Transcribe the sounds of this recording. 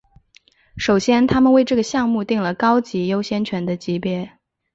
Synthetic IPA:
ʂo˨˩ʊɕjɛ˥nt̪ʰa˥mə˨nwe˥˧ɪʈ͡ʂɤ˥˩ɡə˩ɕjɑ˥˧ŋmu˥˧t̪i˥˩ŋlə˩kɑ˥ʊt͡ɕi˧˥jo˥ʊɕjɛ˥nt͡ɕʰɥɛ˧˥nd̪ə˧t͡ɕi˧˥pjɛ˥˩

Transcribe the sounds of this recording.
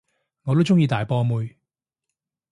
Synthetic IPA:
ŋɔː˨˧t̪o˥wt͡sʊ˥ŋjiː˧t̪aː˨jpɔː˧muː˨˧j

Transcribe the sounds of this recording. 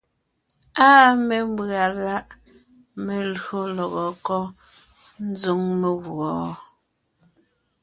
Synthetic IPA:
aː˦me˨m̩˦bɰa˨la˦ʔ | me˨lɰo˦lɔ˨ɣɔ˨kɔ˦ | n̩˦zu˦ŋme˨ɣɔ˨

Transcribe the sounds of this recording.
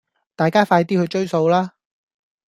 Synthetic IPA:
t̪aː˨jkaː˥faː˧jt̪iː˥hɵ˨˧t͡ʃɵ˥ɥso˧wlaː˥

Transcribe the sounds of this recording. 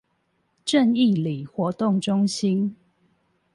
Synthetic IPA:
ʈ͡ʂə˥˧ni˥˨li˨˩xwɔ˨˧˦t̪ʊ˥˨ŋʈ͡ʂʊ˦ŋɕi˦n

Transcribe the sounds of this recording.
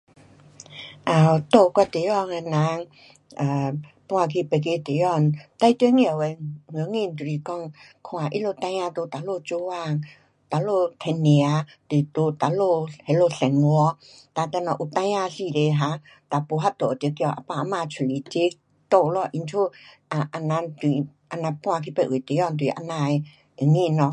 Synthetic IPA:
ʔã˨t̪o˧˨˧kwa˧t̪e˨˦jɔ˥˧˨ŋe˧nã˧˦ŋ | a˨pu˧a˧kʰi˧pe˨˧k̬e˧˦t̪e˨jɔ˥˧˨nt̪a˧jt̪e˧˦ŋi˧ə˨we˧˨ŋə˨˧˦ŋi˧˨n˨t̪u˨ɾi˨˧kɔ˥˧˨ŋkʰw̃ã˨ʔi˦lo˧t̪ã˧jã˧t̪o˧t̪a˨lo˧t͡ɕo˧˦wa˥˧˨ŋ | t̪a˨lo˥˧˨t̪ʰɛ˧nːi˨a˨˧˦t̪i˨t̪o˧˦t̪a˨lo˧hɛ˨˦lo˧ɬɛ˨nŋɔ˧˦ | t̪a˧˨t̪ɛ˧˨nɔ˧ʔu˨t̪ã˧ja˧si˧˨de˧ɦa˧˦ | t̪a˨po˧˦ɦa˦t̪o˨tə˧˦kɔ˧˨ʔa̰˨pa˧a˧˨ma˧t͡ʃʰu˨li˨t͡ɕe˧˦ | t̪o˧˨˧lɔ˧˨ʔi˧˨nt͡ʃʰu˦ʔa˨ʔa˧na˧t̪i˨ | ʔa˧˨nã˧pw̃ã˧kʰi˧pɛ˧˨ʔu˨t̪e˨˦jɔ˦˧˨nt̪i˨ʔa̰˧˨nã˧˨e˧ | e˨ŋi˧˨nɔ˧

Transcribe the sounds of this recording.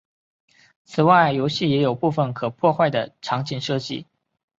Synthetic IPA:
t͡sʰɹ̩˨˩wa˥˩ɪjo˧˥ʊɕi˥˩jɛ˧˥jo˨˩ʊpu˥˩fə˩nkʰɤ˨˩pʰwɔ˥˧xwa˥˩ɪd̪ə˩ʈ͡ʂʰɑ˧˥ŋt͡ɕi˨˩nʂɤ˥˧t͡ɕḭ˥˩

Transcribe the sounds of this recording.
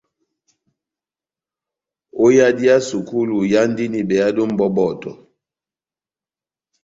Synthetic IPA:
o˦ja˦di˦a˦su˨ku˦lu˨ja˦n˦di˦ni˨bɛ˨a˦do˦m̩˦bɔ˦bɔ˦˨tɔ̰˨

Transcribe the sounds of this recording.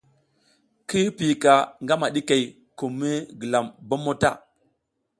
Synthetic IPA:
ki˦pi˨ka˨ŋɡa˦ma˨ɗi˦ka˨j | ku˨mːi˦ɡə˨la˨mba˦mo˦ta̰˦˨

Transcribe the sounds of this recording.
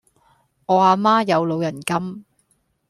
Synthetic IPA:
ŋɔː˨˧aː˧maː˥jɐ˨˧wlo˨˧wjɐ˨˩nkɐ˥m

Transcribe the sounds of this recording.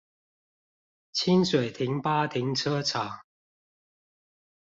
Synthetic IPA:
t͡ɕʰi˦nswe˨˩ɪt̪ʰi˨˥ŋpa˥t̪ʰi˨˥˦ŋʈ͡ʂʰɤ˦t͡sʰa˨˩˦

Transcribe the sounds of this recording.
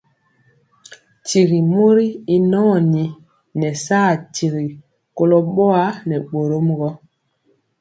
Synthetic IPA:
ti˨ɣi˨mo˦ɾi˦i˦nɔː˦˨ni˨ | nɛ˨saː˦˨ti˨ɣi˨ | ko˦lo˦ɓɔ˦a˦nɛ˨ɓo˨ɾo˦mɡɔ˦

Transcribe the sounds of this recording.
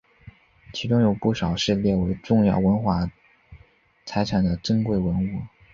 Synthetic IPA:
t͡ɕʰi˧˥ʈ͡ʂʊ˥ŋjo˨˩ʊpu˥˩ʂɑ˨˩ʊʂɻ̩˥˧ljɛ˥˩we˧˥ɪʈ͡ʂʊ˥˧ŋjɑ̰˥˩ʊwə˧˥nxwa˧˥ | t͡sʰa˧˥ɪʈ͡ʂʰa˨˩nd̪ə˦ʈ͡ʂə˥ŋkwe˥˩ɪwə˧˥nu˥˩

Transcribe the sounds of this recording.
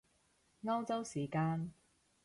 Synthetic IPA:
ŋɐ˥wt͡sɐ˥wsiː˨˩kaː˧˥n

